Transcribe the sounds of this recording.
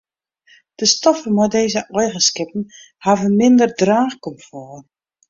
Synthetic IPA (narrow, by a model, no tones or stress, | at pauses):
d̥əstɔfəmɔdeːzəʔɔjɣəskɪpən̩ | haːvənmɪndərdraːxkɔmfɔːr